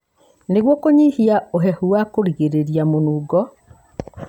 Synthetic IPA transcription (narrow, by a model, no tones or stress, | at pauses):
neɣwɔkoɲihiaoɦɛhuwakoɾiɣeɾeɾijamonuːɡɔ